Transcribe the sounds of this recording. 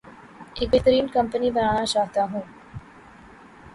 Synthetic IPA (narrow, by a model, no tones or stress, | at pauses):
ɪk̚bɪt̪əɾiːnkɐmpənibɐnaːɽ̃at͡ʃaːɦt̪aɦũː